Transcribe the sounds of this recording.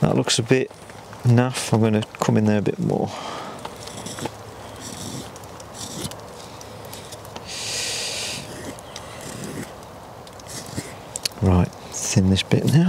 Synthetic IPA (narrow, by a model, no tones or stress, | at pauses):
ðə̰ʔlʔʊksəbɪʔ | nʌfãɪmɡʌ̃nəkʰʊ̃mɪ̃nðə˞əbɪ̰ʔmɔ̰ː | ɹaɪt̚sɪ̃nðɪsb̥ɪ̰ʔnaʊ